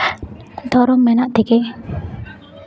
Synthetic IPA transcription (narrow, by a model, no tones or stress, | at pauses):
d̪ɔɾɔmːɛnaʔt̪eke